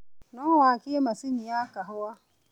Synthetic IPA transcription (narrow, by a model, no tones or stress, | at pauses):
nɔwaakɪemasɪɲiakaɦʊwa